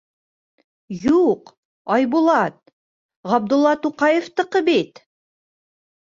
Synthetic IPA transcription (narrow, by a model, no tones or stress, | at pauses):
juq | ɑjbulˠɑt̪̚ | ʁɑb̚d̪ŭlˠːɑt̪uqɑjĕft̪ɤ̆qɤbit̪